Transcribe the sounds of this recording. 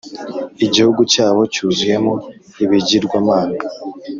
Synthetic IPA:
iɟihuɡucaːβo̞cuːzuje̞mo | iβiɟiɾɡwaːmaːna

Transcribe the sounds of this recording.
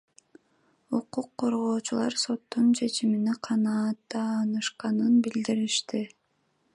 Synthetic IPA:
uquqʰːo̞ɾʁo̞ːt͡ʃulˠɑ̰ɾso̞t̪ːunt͡ʃʰe̞t͡ʃiminiqʰɑnɑːt̪ːɑːnɯʃqɑnɯnbild̪iɾiʃt̪i

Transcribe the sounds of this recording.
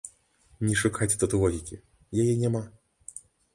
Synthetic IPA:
nʲɛʂukat͡sʲt̪ɐt̪ɨvɔɣʲikʲi | jajɛnʲama

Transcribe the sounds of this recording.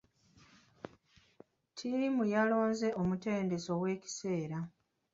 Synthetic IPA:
tʰimujalo̞ːnze̞ʔomute̞ːnde̞so̞we̞ːci̥se̞ːɾa

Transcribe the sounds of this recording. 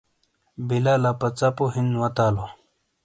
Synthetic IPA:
bilalapɐt͡sapoɦinwɐt̪aːlo

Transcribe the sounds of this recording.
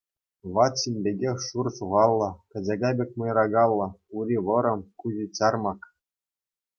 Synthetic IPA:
ʋɑt̪ɕinʲbʲeɡʲexʲʂurɕuʁɑlˠːɤ̆kɤ̆d͡ʑɑɡɑbʲek̚ʲmɤ̆jrɑɡɑlˠːɤ̆uɾʲiʋɤ̆ɾɤ̆mkuʑit͡ɕɑrmɑk

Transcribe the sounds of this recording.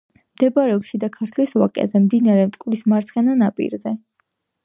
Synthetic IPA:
md̪̥ɛbaɾɛɔpʃid̪akʰaɾt̪ʰliswa̰kʼɛ̰zɛmd̪inaɾɛmt̪ʼkʼlismaɾt̪sʰχɛnanapʼḭɾzɛ

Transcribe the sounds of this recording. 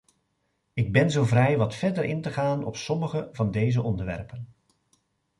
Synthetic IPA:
ɪɡ̚bɛnzowvrɛjʋɑtfɛɹdəɾɪntəχaːnɔ̰psɔməχəvɑndejzəʔɔndəɹʋɛ̰ɹpən

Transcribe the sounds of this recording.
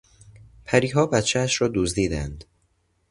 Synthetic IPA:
pʰæɾiːɦɒːbæt̪t͡ʃʰææʃɾɒːd̪uːzd̪iːd̪ænd̪̥

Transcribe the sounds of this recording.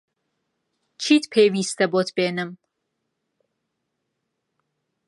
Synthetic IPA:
t͡ʃʰiːt̪ʰpʰeːviːst̪ʰɐbot̪ʰbeːnɨm

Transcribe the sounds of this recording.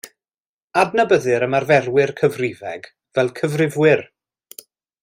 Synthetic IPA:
adnabəðɨɾəmarvɛrwɪrkʰəvrɪvɛɡ | vɛlˠkʰəvrɪvwɪr

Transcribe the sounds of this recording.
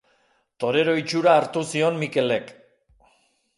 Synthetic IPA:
t̪o̞ɾe̞ɾo̞it͡ʃuɾaːɾt̪usio̞nmike̞le̞k

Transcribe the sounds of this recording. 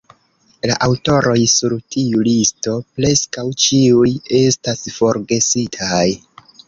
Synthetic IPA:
la̰ʔawto̞ɾo̞jsuɾtʰiulisto̞pɾe̞skawt͡ʃiuje̞stasfo̞ɾɡe̞sitʰaj

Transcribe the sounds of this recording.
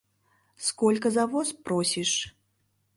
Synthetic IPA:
skɔlʲkɐzavɔspɾɔsʲiʂ

